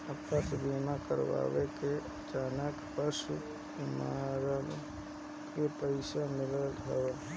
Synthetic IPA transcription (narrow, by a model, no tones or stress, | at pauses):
əpəsbiːmakə̰ɾʋa̰ːwekeət͡ʃaːnəkpəʃu | maɾəl | kepəɪʃamɪləlt̪ɦəʋe